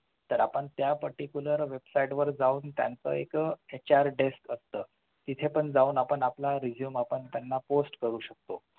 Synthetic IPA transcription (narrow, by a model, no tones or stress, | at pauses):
t̪əɾapəɳt̪japəɾʈikjuləɾʋebsaiʈʋəɾd͡zauːnt̪ja̰nt͡sə̰ːeket͡ɕaɾɖeskəst̪əː | t̪it̪ʰepəɳd͡zauːnapəɳaplaɾid͡ʑjumapəɳt̪janːaposʈkəɾuːɕək̚t̪o